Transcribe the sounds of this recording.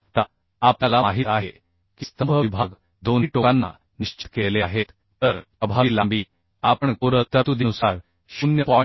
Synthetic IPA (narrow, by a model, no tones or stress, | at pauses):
t̪a | ap̚t̪alamaɦit̪aɦe | kist̪əmbʱəʋibʱaɡ | d̪onʈokanːa̰ | niɕt͡ɕi̥t̪keleaɦet̪ːəɾəbʱailãmbiː | apəɳkoɾət̪ət̪ud̪inusaɾ | ɕunjəpɔ